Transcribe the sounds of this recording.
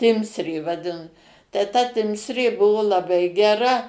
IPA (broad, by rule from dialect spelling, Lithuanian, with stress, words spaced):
ˈtʲɪmʲsʲrʲeː ʋɐˈdʲɪn tɐɪ tɐ ˈtʲɪmʲsʲrʲeː ˈbʊʋoː lˠɐˈbɐɪ ɡʲɛˈrɐ